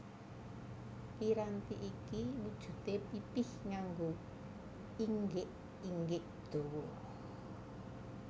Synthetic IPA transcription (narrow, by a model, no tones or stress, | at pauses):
piɾant̪iʔikiwud̥ʒ̥ṳt̪epipɪhŋaŋɡo | iŋɡeʔ | iŋɡeʔ | d̪̥o̤wɔ